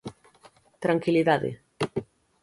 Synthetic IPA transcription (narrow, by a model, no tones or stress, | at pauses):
t̪ɾaŋkiliðaðḛ